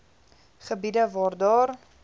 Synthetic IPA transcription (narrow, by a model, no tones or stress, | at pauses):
χəbidəvɑːrdɑːr